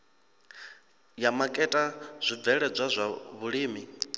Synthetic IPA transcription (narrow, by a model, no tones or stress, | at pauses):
jamakʼɛtʼaz̥ʷib̪vɛɺɛb͡ʐʷazʷaβuɺiːmi